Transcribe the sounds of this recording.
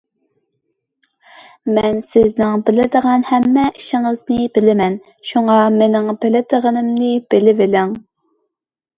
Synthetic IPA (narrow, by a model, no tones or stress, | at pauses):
mɛnsɪznɪŋbɪlɪd̪əʁɑnhɛmːɛʔiʃɪŋəznɪbɪlɪmɛn | ʃuŋɑmenɪŋbɪlɪd̪əʁənɨmnɪb̥ɪlɪvɪlɪŋ